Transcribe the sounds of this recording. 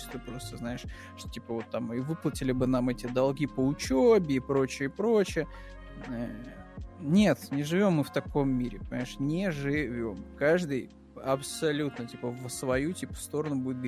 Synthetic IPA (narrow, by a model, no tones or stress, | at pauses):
ɪ̥st̪ɨpɾo̞st̪əznaɪʂ | ʂt̪tʲipəvo̞t̪ːamivɨplˠətʲɪlʲɪbɨnamɛtʲɪd̪ɐlˠɡʲipəʊt͡ɕobʲɪːpɾo̞t͡ɕɪəɪpɾo̞t͡ɕɪjə | nʲe̞t̪nʲɪʐɨvʲo̞mːɨft̪ɐko̞mːʲiɾʲɪ̰pənʲɪmaɪʂnʲɪʐɨvʲo̞mkaʐd̪ɨj | ɐpsɐlʲut̪nətʲipəvsvɐjutʲipə̥fst̪o̞ɾənʊbudʲɪt̪ɡ